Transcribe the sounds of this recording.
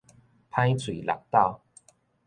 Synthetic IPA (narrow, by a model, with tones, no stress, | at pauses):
pʰã˥˦jt͡sʰwi˨˩la̰˨k̚t̪a˥˧˨ʊ